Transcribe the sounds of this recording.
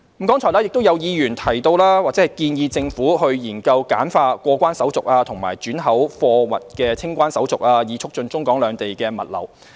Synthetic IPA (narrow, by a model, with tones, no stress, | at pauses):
m̩˨˩kɔː˥ŋt͡sʰɔː˨˩laː˥jɪ˨k̚t̪o˥wjɐ˨˧wjiː˨˧jyː˨˩nt̪ʰɐ˨˩jt̪o˧wlaː˥waː˨k̚t͡sɛː˨hɐ˨˩jkiː˧njiː˧t͡sɪ˧ŋfuː˨˥hɵ˧ɥjiː˨˩nkɐ˧wkaː˨˥nfaː˧kʷɔː˧kʷaː˥nsɐ˨˥wt͡sʊ˨k̚aː˧t̪ʰʊ˨˩ŋma̰ː˨˩jt͡ʃyː˨˥nɦɐ˨˥wfɔː˧wɐ̰˨t̚kɛː˧t͡sʰɪ˥ŋkʷaː˥nsɐ˨˥wt͡sʊ˨k̚aː˧jiː˨˧t͡sʰʊ˥k̚t͡ʃɵ˧nt͡sʊ˥ŋkɔː˨˥ŋlœː˨˧ŋt̪e˨jkɛː˧mɐ̰˨t̚lɐ̰˨˩w